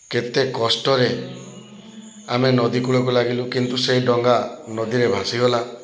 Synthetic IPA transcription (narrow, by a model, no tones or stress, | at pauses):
ket̪ekɔsʈɔɾe | amenɔd̪ikuɭɔkulaɡilukint̪usejɖɔŋɡanɔd̪iɾebʱãsiɡɔla